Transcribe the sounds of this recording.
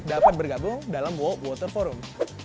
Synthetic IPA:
dapat̪̚bərɡabʊŋdalamwɔwɔt̪ərfɔɾʊm

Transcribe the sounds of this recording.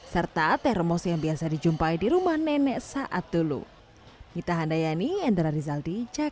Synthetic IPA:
sərt̪at̪ɛhrəmɔsjaŋbiasadid͡ʒumpaidiɾumahnɛnɛʔsaʔat̪̚ulṵ | ŋit̪aɦandajaniɛnd̪ɾaɾizaldid͡ʒa

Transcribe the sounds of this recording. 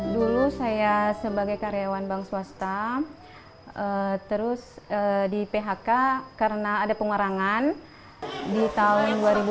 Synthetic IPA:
dulusajasəbaɡajkaɾeawanbaŋsuast̪a | ət̪əɾʊsədipeɦakakaɾənaːdapəŋaɾaŋan | dit̪aʊnduaɾibu

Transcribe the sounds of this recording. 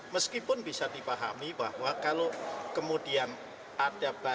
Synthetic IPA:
məskipʊnbisadipaɦa̰miba̰hwakalokəmudian | ad̥aba

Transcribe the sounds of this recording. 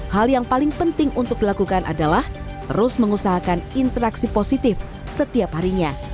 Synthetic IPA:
haljaŋpalɪŋpənt̪ɪŋunt̪ʊk̚dilakukanʔa̰dalah | t̪əɾʊsməŋusaɦakanint̪əɾaksiposit̪ɪf | sət̪iaphaɾiɲa

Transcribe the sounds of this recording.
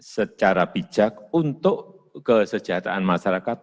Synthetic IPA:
sət͡ʃaɾab̥i̥d͡ʒ̥ak̚unt̪ʊʔ | kəsə̥d͡ʒaɦt̪a̰ʔanmaʃaɾakat̪̚

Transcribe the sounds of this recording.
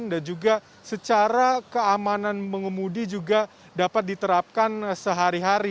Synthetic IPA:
ndand͡ʒuɡa | sət͡ʃaɾakəamananməŋəmudid͡ʒuɡa | dapat̪̚dit̪əɾap̚kansəɦaɾiɦaɾi

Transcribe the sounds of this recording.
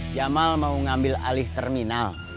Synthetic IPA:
d͡ʒamalmauŋambɪla̰lɪht̪ərminal

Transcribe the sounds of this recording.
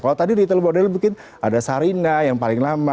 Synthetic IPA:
kalawt̪adidit̪əlmodɛlbukɪn | adasaɾinajaŋpalɪŋlama

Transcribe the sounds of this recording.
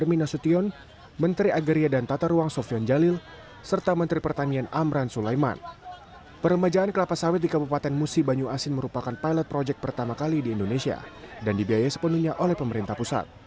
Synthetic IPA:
ərminasut̪iɔn | mənt̪ɾiaɡəɾiadant̪at̪aɾuaŋsɔfiɔnd͡ʒalɪl | sərt̪amənt̪ɾipərt̪anianamɾansulajma̰n | pərəmad͡ʒaːnkəlapasawɪt̪̚dikabupat̪ɛnmusibaɲuasɪnməɾupakanpajlɛt̪̚pɾod͡ʒɛk̚pərt̪amakalidiːndonesia̰dandibiajasə̥pənuhɲaʔolɛhpəməɾint̪ahpusa̰t̪̚

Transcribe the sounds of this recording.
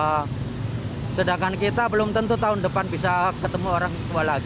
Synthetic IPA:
sədaŋkankit̪abəlʊmt̪ənt̪ut̪aʊndəpanbis̬akət̪əmuoɾaŋət̪ualaɡ

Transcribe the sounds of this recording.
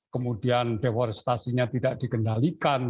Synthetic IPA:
kəmudiandewɔrst̪asiɲat̪idaʔd̥ikəndalikan

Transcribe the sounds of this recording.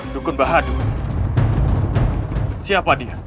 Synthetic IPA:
dukʊnbaɦadu | siapadia

